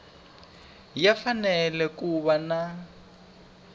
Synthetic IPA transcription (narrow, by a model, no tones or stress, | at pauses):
jafanɛlɛkuβana